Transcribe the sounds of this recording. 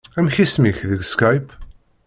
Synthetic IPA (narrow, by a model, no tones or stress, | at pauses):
æmçismiçðəɡskajp